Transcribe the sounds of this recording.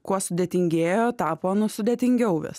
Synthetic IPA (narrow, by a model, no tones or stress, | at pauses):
kuɔsʊd̪ʲeːt̪ʲɪŋʲɡʲeːjoːt̪ɑːpoːnʊsʊd̪ʲeɛt̪ʲɪŋʲɡʲɛʊʋʲɪ̰s